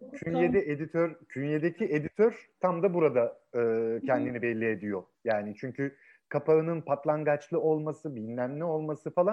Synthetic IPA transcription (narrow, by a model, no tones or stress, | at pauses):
cʰynjed̪ɛʔed̪it̪ʰøɾcʰynjed̪ecʰiʔe̞d̪it̪ʰøɾt̪ʰamd̪abuɾad̪aɯːcʰɛnd̪inibɛlʲːie̞d̪ijo | jaːnit͡ʃʰyɲcʰy | kʰapʰaɯnɯnpʰat̪lˠaŋɡat͡ʃlˠɯo̞lˠmasɯbinlʲæmlʲio̞lˠmasɯfalˠan